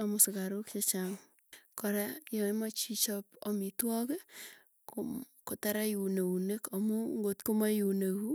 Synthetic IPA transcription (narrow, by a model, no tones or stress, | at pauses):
amʊsɪkaɾʊkt͡ʃet͡ʃaŋ | kɔɾajɔmat͡ʃit͡ʃɔpɔmitwɔke | kotaɾajuneunekamuŋɡotkomajunehu